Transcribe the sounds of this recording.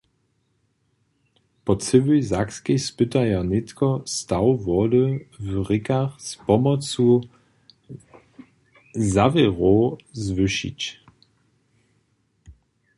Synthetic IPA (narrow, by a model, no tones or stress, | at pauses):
pɔt͡sɪvizakskespɪt̪ajanɪt̪kɔst̪awvɔdəvʁɪkaχspɔmɔt͡su | zavɛʁozvɪʃḭt͡ɕ